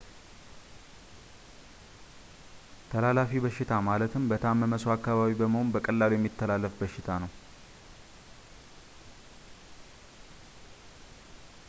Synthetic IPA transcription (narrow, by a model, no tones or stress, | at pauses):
t̪ʰəlalafibəʃːɪt̪ʰamalət̪ʰɨmbət̪ʰamːəməsoakːaβaβibəməho̞nbəkʼəlːaljɛmːit̪ʰːəlalːəfbəʃːɪt̪ʰanəw